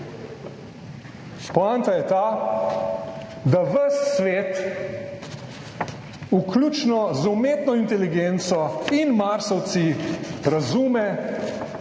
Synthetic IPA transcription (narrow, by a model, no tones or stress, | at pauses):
pɔant̪ajɛt̪a | d̪aʋəsʋeːt̪ | uklʲut͡ʃnɔzumeːt̪nɔint̪ɛliɡent̪sɔinmaɾsɔw̪siɾazuːmɛ